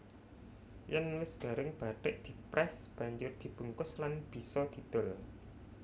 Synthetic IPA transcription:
janmɪsɡ̥a̤ɾɪŋb̥atɪʔd̪̥i̤pɾɛsb̥a̤ɲd͡ʒʊrd̪̥i̤b̥ṳŋkʊslanb̥i̤sɔd̪̥i̤t̪ʊl

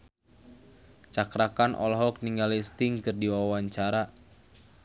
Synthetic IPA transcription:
t͡ʃakɾakanʔɔ̰lɦɔk̚niŋɡalist̪ɪŋkɨrdiwawaɲt͡ʃaɾa

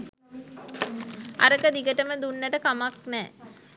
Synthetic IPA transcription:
a̰ɾəkəd̪iɡəʈəməd̪unːəʈəkamaknɛː

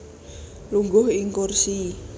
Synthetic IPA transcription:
luŋɡʊɦiŋkursi

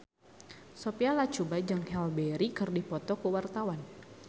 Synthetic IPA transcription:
sopialat͡ʃubad͡ʒaŋhɛlbɛɾikɨrdipɔt̪ɔkəwart̪awan

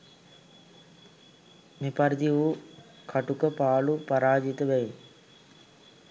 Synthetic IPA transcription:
nipɐɾd̪iʋu | kʰɐʈukəpaːɭupɐɾaːd͡ʒit̪ɐʋɛji

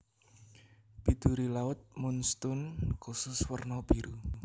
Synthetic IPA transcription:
pid̪̥uɾilaʊt̪̚mʊnst̪ʊnkusʊswərnɔb̥iɾu

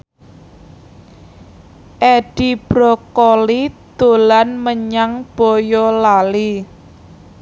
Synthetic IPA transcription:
ʔɛɖ̥ib̥ɾɔkɔlid̪̥olanməɲaŋb̥ɔ̤jɔlali

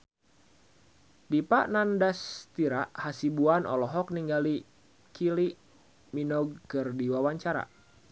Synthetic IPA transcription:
dipaʔnandast̪iɾaʔhasibuanɔ̰lɔɦɔk̚niŋɡali | kiliʔ | minɔɡ̚kɨrdiwawaɲt͡ʃaɾa̰

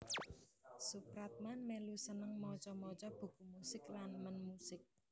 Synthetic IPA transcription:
supɾat̪̚manmelusənəŋmɔt͡ʃɔmɔt͡ʃɔb̥ṳkumusɪklanmənmusɪk̚

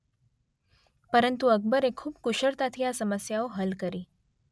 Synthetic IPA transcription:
pəɾənt̪uək̚bəɾekʰːuːb̚kuɕəɾt̪at̪ʰijasəməsjaoɦəlkəɾiː

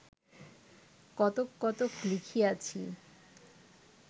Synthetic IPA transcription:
kɔt̪okːɔt̪oklikʰiat͡ɕʰi

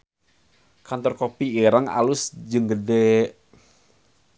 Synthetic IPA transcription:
kant̪ɔrkopiiɾaŋa̰lʊsd͡ʒɨŋɡədɛ

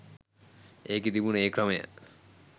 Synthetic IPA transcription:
ekid̪ibunekɾɔmejə̰

